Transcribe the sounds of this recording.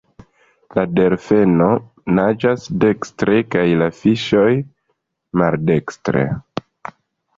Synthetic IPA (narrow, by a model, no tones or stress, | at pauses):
lade̞ɾfe̞no̞ | nad͡ʒasde̞kstɾe̞kajlafiʃo̞j | malde̞kstɾe̞̰